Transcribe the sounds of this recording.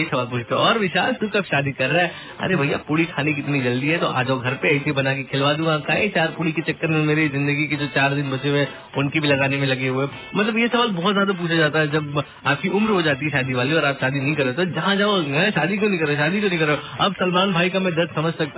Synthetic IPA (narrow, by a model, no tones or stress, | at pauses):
jesɐʋaːlpuːt͡ʃʰt̪eɔːɾʋɪʃaːlsʊkaːpʃaːd̪ikɐɾːaɦɛ | ɐ̰ɾebʱɐja̰puːɽikʰaːnekiɪt̪nid͡ʒɐld̪iɦɛt̪oʔa̰ːd͡ʒoɡʱɐɾpeɐɪsebɐnak̬ekʰɪlʋaːd̪ũɡãkaːẽt͡ʃaːɾpuːɽiket͡ʃɐkːəɾmẽmeːɾizɪ̃nd̪əɡiked͡ʒoːt͡ʃaːɾd̪ɪnbɐt͡ʃewẽ | ʊnkibʱilɐɡaːnemẽlɐɡeɦue | mɐt̪ləbjesɐʋaːlbɔːt̪zjaːd̪ap̬uːt͡ʃʰad͡ʒaːt̪aɦɛd͡ʒɐb | aːp̚kiʔʊmɾɦod͡ʒaːt̪iɦɛʃaːd̪iʋaːliɔːɾaːpʃaːd̪inɐɦĩkɐɾet̪od͡ʒɐɦãd͡ʒaːoɛʃaːd̪ikonĩkɐɾeʃaːd̪ikonɐ̃ɦĩkɐɾeoɐbsɐlmaːnbʱaːikamɛ̃d̪ɐɾssɐməd͡ʒʱsɐk̚t̪